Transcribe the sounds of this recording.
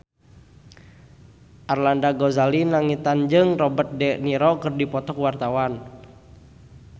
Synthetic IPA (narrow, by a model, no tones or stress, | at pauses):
ʔarlandaɡɔzalinaŋit̪and͡ʒɨŋrɔbərt̪̚dɛʔniɾɔkɨrdipɔt̪ɔkuwart̪awan